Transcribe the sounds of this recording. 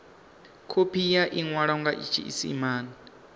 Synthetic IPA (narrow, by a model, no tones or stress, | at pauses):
kʰopʰijaʔiŋwaɺɔŋɡaʔḭt͡ʃʰḭʔḭsḭmaːni